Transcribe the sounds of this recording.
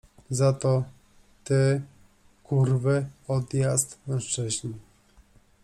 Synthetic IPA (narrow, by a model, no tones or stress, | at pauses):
zat̪ɔ | t̪ɛ | kuɾvɘɔd̪jast̪mɛ̃w̃ʂt͡ʂɘʑni